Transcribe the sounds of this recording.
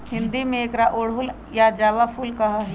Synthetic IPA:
hɪ̃nd̪imẽeːkɾaʔoːɽ̤ɦʊl | jad͡ʒaːʋafʰulkɐɦaɦ

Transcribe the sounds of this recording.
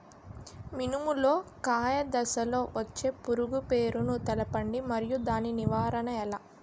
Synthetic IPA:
minumulo̞ːkaːjɐd̪ɐsɐlo̞ːʋɐt͡ʃːe̞ːpuɾuɡupe̞ːɾunut̪ɛlɐpɐɳɖimɐɾijud̪aːniniʋaːɾɐnɐɛlɐ

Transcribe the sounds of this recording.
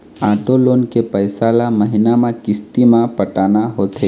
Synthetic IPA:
aːʈoloːnkepəɪsaːlaməɦɪnamãkɪst̪imãpəʈaːnaɦoːt̪e

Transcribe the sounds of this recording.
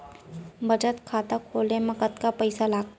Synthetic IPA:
bəd͡ʒət̪kʰaːt̪akʰoːlẽmɐkət̪kapəɪsalaːɡ̪̚

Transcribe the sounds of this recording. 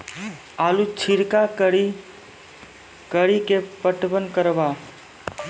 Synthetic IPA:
alut͡ʃʰiɾkaki | kəɽikepəʈbənkəɾba

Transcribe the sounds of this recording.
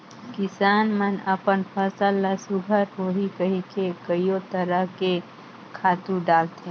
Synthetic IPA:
kɪsaːnmənəpənpʰəsəlːasʊɡʱəɾɦoːɦikəɦikekəijot̪əɾəɦke | kʰaːt̪ũɖaːlt̪ẽ

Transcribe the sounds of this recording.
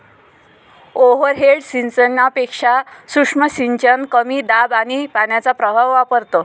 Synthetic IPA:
oʋəɾɦeɖsinsənːapekʂasukʂməsiɲt͡ɕənkəmid̪abanipanjat͡sapɾəbʱaʋːapəɾt̪o

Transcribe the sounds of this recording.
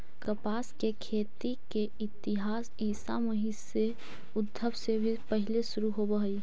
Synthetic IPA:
kəpaːskekʰeːt̪ike | ɪt̪ɪɦaːs | iːsa̰məɦi | e | ʊd̪ʱːəbsebʱipəɦɪlesʊɾuɦobəɦəi

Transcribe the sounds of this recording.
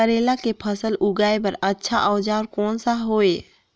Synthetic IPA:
əɾeːlakepʰəsəlʊɡaːepəɾətːʃʰaʔaʋd͡ʒaːɾkɔːnsaɦoːeː

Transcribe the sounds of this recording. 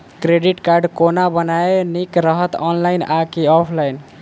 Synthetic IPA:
kɾeɖiʈkaɾɖkonabənaenikɾəɦət̪ɔnlaɪnakiɔpʰlajn

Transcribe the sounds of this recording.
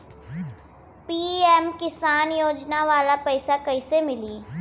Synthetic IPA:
piːɛmkɪsaːnjoːd͡ʒnaʋaːlapɛɪsakɐɪsemɪliː

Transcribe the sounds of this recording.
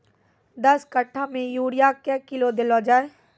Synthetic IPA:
d̪ɐskəʈʰːamẽjuːɽijakɛːkɪlod̪ɪlod͡ʒaːeː

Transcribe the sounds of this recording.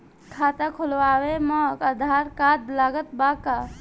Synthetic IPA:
kʰat̪akʰulʋaweməkəd̪ʱaɾkad̪̚laɡət̪baka

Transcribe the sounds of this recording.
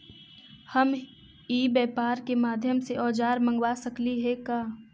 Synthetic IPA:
həm | iːbɛːpaːɾkemaːd̪ʱjəmseʔɔːd͡ʒaːɾmə̃ŋɡwasəkliɦɛkaː

